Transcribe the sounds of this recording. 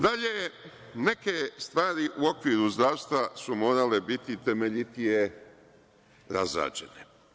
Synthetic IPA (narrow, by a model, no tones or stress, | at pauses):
d̪aʎe | ne̞kest̪ʋaːɾiʔuo̞kʋiːɾuzd̪ɾaːʋst̪ʋasumo̞ːɾale̞bit̪it̪e̞meʎit̪ije | ɾazɾa̰ːd͡ʑe̞̰ne